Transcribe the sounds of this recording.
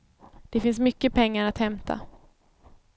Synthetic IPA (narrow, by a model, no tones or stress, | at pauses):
d̪̥ɛfɪnsmʏkːəpʰɛŋːaɾat̪hɛmt̪ʰa̰